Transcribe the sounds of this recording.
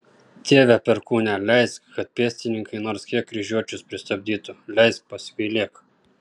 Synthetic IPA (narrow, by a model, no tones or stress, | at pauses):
t̪ʲeːʋʲæpʲɛɾkuːnʲælʲɛɪskkɐt̪̚pʲeːsʲt̪ʲɪnʲɪŋkɐɪnoːɾskʲiɛk̚ːɾʲɪʒʲuɔt͡ʃʲʊspʲɾʲɪst̪ɐbʲd̪ʲiːt̪ʊlʲɛɪs̚pɐsʲʋʲilʲeːk